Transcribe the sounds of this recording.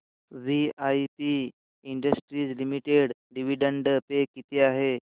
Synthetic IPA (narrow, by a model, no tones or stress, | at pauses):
ʋiajpiː | ɳɖəsʈɾiːd͡zlimiʈeɽɖiʋiɖəɳɖəpekit̪ʰiaɦe